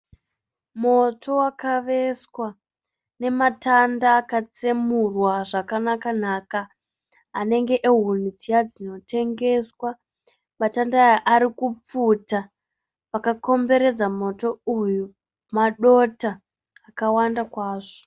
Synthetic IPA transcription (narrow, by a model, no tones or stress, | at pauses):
mo̞tʰo̞wakaʋe̞swa | ne̞matandaːkat͡semurwaʐakanakan̤aːkaː | ne̞ŋɡe̞ʔeɦunud͡zijad͡zino̞te̞ŋɡe̞swa | matandajaʔaɾikup͡futa | pakako̞mbe̞ɾe̞d͡zamo̞to̞uju | maɗo̞ta | akawandakwaːʐo̥